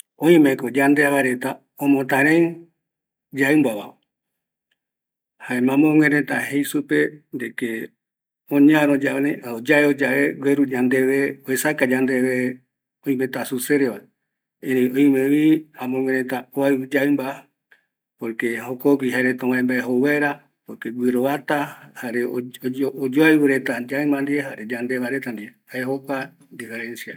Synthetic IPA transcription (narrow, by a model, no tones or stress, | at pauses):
õĩmẽkod͡ʒand̪e̞aβaɾe̞t̪a | õmõt̪ãɾẽ | d͡ʒaɨmbaβa̰ | haemãmõŋwẽɾẽt̪ahejsupe̞nd̪eke | õɲãɾod͡ʒaneod͡ʒaeod͡ʒaeɡweɾud͡ʒand̪eʋeoesakad͡ʒand̪eβe | oĩmẽt̪asuseɾeʋae | eɾẽoĩmẽβiãmõmẽɾet̪aoaɨd͡ʒaɨmba | poɾkeɦokokʷiɦaɾet̪ãβaẽmbaeɦowaɾa | poɾkeɡʷiɾoβat̪ahaɾeoood͡ʒoajβɨɾe̞t̪ad͡ʒaɨmand̪ieɦaɾed͡ʒand̪eβaɾet̪and̪ieaeɦokʷa | d̪ifeɾẽnsia